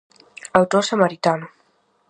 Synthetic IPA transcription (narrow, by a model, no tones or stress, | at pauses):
awt̪osamaɾit̪anʊ